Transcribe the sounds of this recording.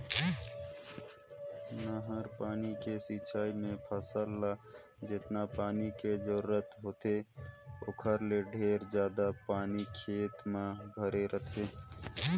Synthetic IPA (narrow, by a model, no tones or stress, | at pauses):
naɦəɾpaːnikesiːt͡ʃʰaːimẽpʰəsəlːa | d͡ʒɪt̪napaːnikezəɾuːɾət̪ɦoːt̪eokʰəɾleɖʱeːɾd͡ʒjaːd̪apaːnikʰeːt̪mãbʱəɾeɾət̪ʰeː